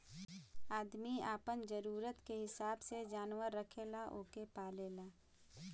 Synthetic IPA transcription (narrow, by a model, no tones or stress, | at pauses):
aːd̪miaːpənd͡ʒəɾuːɾət̪keɦɪsaːbsed͡ʒaːnwəɾːəkʰelaʔoːkepaːleːlaː